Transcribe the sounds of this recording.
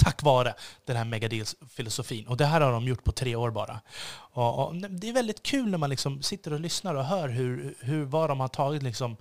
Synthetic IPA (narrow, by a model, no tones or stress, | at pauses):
t̪ʰakːvɑːɾəd̪̥ɛnɦæːɾmɛɡad̪ilsfɪlʊsʊfiːnɔd̪ɛɦæːɾhaɖɔmjʊʈːpʰɔt̪ʰɾeːoːɾbɑ̰ːɾa̰ɔɔ̰nɛd̪ɛæɾvɛld̪ɪt̪kʰʉ̟ːlnæɾmanlɪksɔmsɪt̪ːəɾɔlʏsnaɾɔɦœːɾɦɵɾɦɵɾvaɖɔmhaʈʰɑːɡɪt̪lɪksɔm